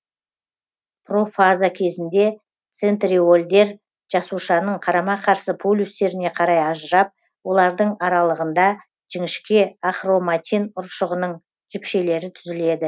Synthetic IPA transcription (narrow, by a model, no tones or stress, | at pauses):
pro̞fazakʲʰe̞zɪnd̪e̞ | t̪se̞nt̪rʲio̞lʲd̪e̞ɾ | ʒ̥ɑsuʃɑnəɴqʰɑɾɑmɑqʰɑɾsəpʰulʲːust̪e̞ɾɪne̞qʰɑɾɑjɑʒəɾɑp̚ | wo̞lˠɑɾd̪əɴɑɾɑlˠəʁənd̪ɑ | ʒ̥ɪŋɪʃkʲe̞aχro̞mat̪ʲinʊɾʃəʁənəɴ | ʒ̥ɪpʃe̞le̞ɾɪt̪ʰʏzɪle̞d̪ɪ